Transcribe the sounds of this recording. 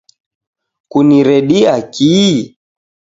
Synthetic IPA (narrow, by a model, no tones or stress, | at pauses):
kuniɾɛɗiaki